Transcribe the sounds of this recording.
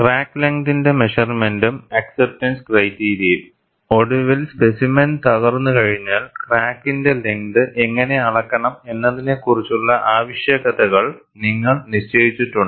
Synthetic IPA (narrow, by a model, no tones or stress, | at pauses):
kraːkːleŋdinde̞meʂɐrmendumɐksep̚tɐnskrɐjtːiːɾiɐjil | o̞ɽuʋilspe̞simɐnt̪ɐɣɐrnːɨkɐɻiɲːaːlkraːkːinde̞leŋd̪ɨʔeŋːɐne̞ɐɭɐkːɐɳɐme̞nːɐðine̞kːurit͡ɕːuɭːɐʔaːʋiɕjeɣɐðɐɣɐɭ | niŋːɐɭniɕt͡ɕeːðit͡ɕːiʈːuɳɖɨ